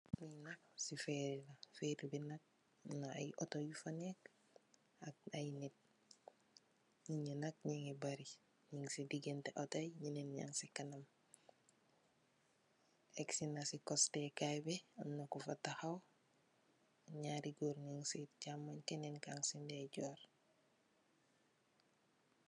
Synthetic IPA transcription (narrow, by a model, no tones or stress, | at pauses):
minaksifeɾilafeɾibinak̚ | na̰jʔotojufanek̚ | akajnet̚ | ɲiɲinak̚ɲiŋebaɾi | ɲiŋsidiɡenteʔotajɲinenɲa̰ŋsikanam | eksinasikostekajbeamnokufataxaw | ɲaɾiɡoɾɲiŋsitɟamːaɲkenenkaŋsindeɟoːɾ